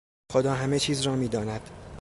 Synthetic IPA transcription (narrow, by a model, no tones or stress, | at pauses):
xod̪ɒːɦæme̞t͡ʃʰiːzrɒːmiːd̪ɒːnæd̪̥